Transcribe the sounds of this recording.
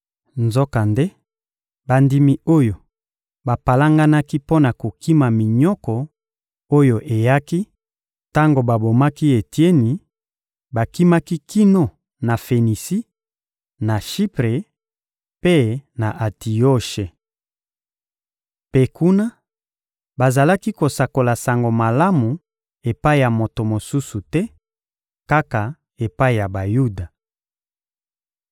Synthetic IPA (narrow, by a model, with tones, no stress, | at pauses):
nzo˦ka˨nde˦ | ba˨ndi˦mi˦o˦jo˨ | ba˨pa˨la˦ŋɡa˦na˦ki˦po˦na˨ko˨ki˦ma˨mi˨ɲɔ˦kɔ˨ | o˦jo˨ʔe˨ja˦ki˦ | ta˦ŋɡo˨ba˨bo˨ma˦ki˦e˨tje˦ni˨ | ba˨ki˦ma˦ki˦ki˦no˦ | na˨fe˨ni˨si˦ | na˨ʃi˦pʁe˨ | pe˦na˨ʔa˨ti˨o˦ʃe˨ | pe˦ku˦na˦ | ba˨za˨la˦ki˦ko˨sa˨ko˨la˨sa˨ŋɡo˨ma˨la˦mu˨ | e˨pa˦i˨ja˨mo˨to˨mo˨su˦su˨tɛ˦ | ka˦ka˨ | e˨pa˦i˨ja˨ba˨ju˦da˨